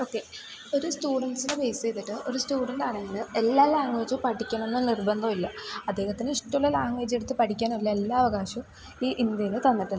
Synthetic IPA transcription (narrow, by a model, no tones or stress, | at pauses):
oːkːe̞ | o̞ɾustuːɖɐɳɖsinebe̞ːst͡ɕejt̪ːiʈːɨʔo̞ɾustuːɖɐɳɖaːɳeŋːɐɭɨe̞lːaːlaːŋʋeːd͡ʑupɐʈʰikʲːɐɳɐmenːɨnirbɐnd̪ɐmilːɐɐd̪ːe̞ːhɐt̪ːinɨiʂʈːɐmulːɐlaːŋʋeːd͡ʑeɽut̪ːɨpɐʈʰikʲːaːnɐlːɐelːaːɐʋɐɣaːɕɐ | iːʔind̪jɐjinɨt̪ɐnːɐʈ̪ːi